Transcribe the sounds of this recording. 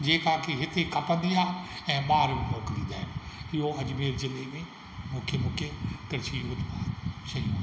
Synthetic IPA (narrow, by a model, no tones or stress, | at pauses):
d͡ʑeːkãːkʰeɦɪt̪ekɐpə̃nd̪iaːɛ̃ːɓaːɾoːklĩːd̪a̰ːɪnɪɦoɐd͡ʑmeːɾzɪlemẽ | mũːkʰemũːkʰek̪ɪɾt͡ɕʰiɦʊd͡ʑbaːʃɐiũ